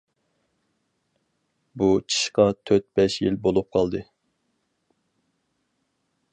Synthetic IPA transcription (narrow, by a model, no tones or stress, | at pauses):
but͡ʃʰi̥ʃqɑt̪ʰøɾt̪̚bɛʃjilbolˠup̚qʰɑlˠd̪ɨ